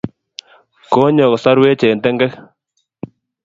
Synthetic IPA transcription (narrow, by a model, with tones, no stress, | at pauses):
ko˦ɲɔ˨ksa˦ɾwe˦t͡ʃe˨nde˦ŋɡɛ˦k